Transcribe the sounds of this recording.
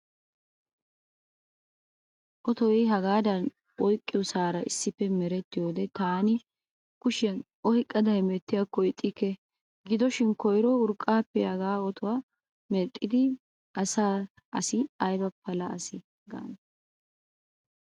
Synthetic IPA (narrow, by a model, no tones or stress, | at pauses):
ʔɔt̪ɔwɛjɦɐɡaːd̪ɐn | ʔɔjkʼːɪjɔsaːɾɐʔɪsːɪpːɛmɛɾɛt̪ːɪjoːd̪ɛt̪aːnɪ | kʊʃɪjɐn | ɔhɪkʼːɐd̪ɐɛmɛt̪ːɪjɐkːɔɪt̪ʼːɪkːɛ | ɡɪd̪ɔʃɪnkɔjɾɔʊɾkʼːaːpːɛhɐɡaːɔt̪ɔwa | mɛt̪ʼːɪd̪ɪ | ʔɐsaː | ɐsɪɐjbɐpːɐlɐɐsɪ | ɡa̰ːn